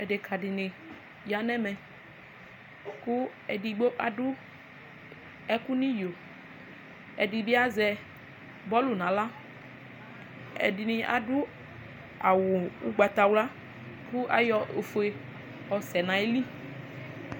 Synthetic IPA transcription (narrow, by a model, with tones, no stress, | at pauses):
ɛ˨de˨kʰa˨dɪ˨nɪ̃˨ | ja˦nɛ̃˦mɛ̃˨ | kʊ˦ | ɛ˨di˨ɡ͡bo˦ʔa˨dʊ˦ | ɛ˦ku˦nĩ˦jo˨ | ɛ̰˨di˨bi˦a˦zɛ˨ | bɔ˦lu˨nã˨la˦ | ɛ̰˨dɪ˨nɪ̃˨ʔa̰˨dʊ˦ | a˨wʊ˨u˦ɡ͡ba˨t̪a˨wla˦ | kʊ˦ʔa̰˦jɔ˨o˨fo˨e˨ | ɔ˨sɛ˨nã˨e˦li˦